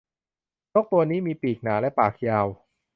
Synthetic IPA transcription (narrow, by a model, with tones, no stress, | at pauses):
no˦˥k̚t̪u˧ɐniː˦˥miː˧piː˨˩k̚naː˩˦lɛ˦˥paː˨˩k̚jaː˧w